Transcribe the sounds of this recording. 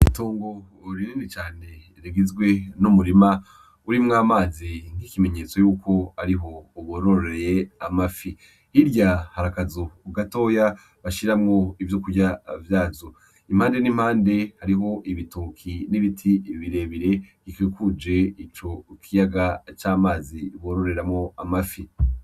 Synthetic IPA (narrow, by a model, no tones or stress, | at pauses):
itoːŋɡo̞ | ɾiniːndit͡ʃaːne̞ | ɾiɡizɡwe̞numuɾima | uɾimŋaːmaːziŋ̥ikime̞ɲe̞ːt͡sojuːkʰo̞aɾiɦo̞uβoɾoɾɾeejeamafi | hiɾɟahaɾakazoɡato̞ːja | βaʃiɾamŋo̞ivjokuɾɟavjaːzo | imhaːnde̞nim̥haːnde̞haɾiɦo̞ʔiβitukʰiniβitʰiβiɾe̞βiɾe̞ɡikekud͡ʒe̞it͡ʃo̞kʰijaɡat͡ʃaːmaːziβoːɾo̞ɾe̞ɾamŋo̞amafi